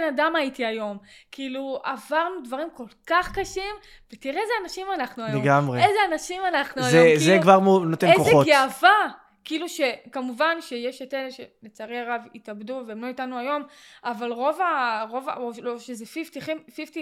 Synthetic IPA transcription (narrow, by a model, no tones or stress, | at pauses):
enadamajitiajo̞mkiiluavaʁnudvaʁimko̞lkaχkaʃim | vetiʁeezeanaʃimanaχnuajleɡamʁeezeanaʃimanaχnuajoizekvaʁmunotenekoeoɡeava | kiiluʃe̞kamuvanʃejeʃetelʃenet͡saʁeaʁavitabduvemloitanuajo̞mavalʁo̞vaʁo̞vaoloʃezefiftiχimfifti